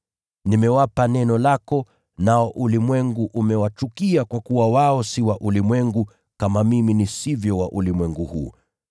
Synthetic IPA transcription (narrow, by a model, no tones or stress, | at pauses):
nimɛwapanɛnɔlakɔ | naɔʔulimwɛŋɡuʔumɛwat͡ʃukiakwakuwawaɔsiwaʔulimwɛŋɡu | kamamiminisivjɔwaʔulimwɛŋɡuhuː